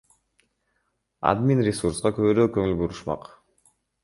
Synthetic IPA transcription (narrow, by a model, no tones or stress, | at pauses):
ɑ̰d̪minɾʲɪsuɾsqɑkøβøɾøːkɵŋylbuɾuʃmɑ̰q